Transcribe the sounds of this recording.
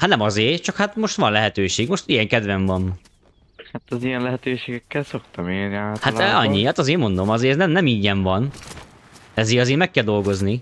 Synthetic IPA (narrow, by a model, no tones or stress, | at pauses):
hat̪nɛmɒzeːrt͡ʃɒkhat̪mo̞ʃt̪ʋɒnlɛɦɛt̪øːʃeːɡmoʃt̪ijɛŋkɛd̪ʋɛɱvɒn | hat̪ɒzijɛnlɛɦɛt̪øːʃeːɡɛkːɛlsokt̪ɒmeːniaːt̪haɒɲːihat̪ɒzeːmo̞nd̪omɒzeːɾɛznɛmnɛmiːɟɛɱvɒn | ɛzeːɾɒzeːɾmɛkːɛld̪o̞lɡo̞zni